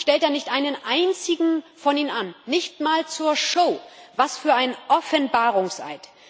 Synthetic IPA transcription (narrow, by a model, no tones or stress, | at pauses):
ʃtɛltd̥aːnɪçtʔaɪnənʔaɪnt͡sɪɡŋ̩fɔniːnnanːɪçtmaːlt͡suːɐʃoːvasfyːɐaɪnʔɔfɛnbaːʁʊŋsʔa̰ɪt